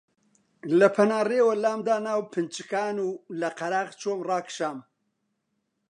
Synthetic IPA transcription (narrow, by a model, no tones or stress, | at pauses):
lɐpʰɐnaːreːwɐlaːmd̪aːnaːwpʰɨnt͡ʃɨkaːnuːlɐqɐɾaːʁt͡ʃoːmrɑːkʃaːm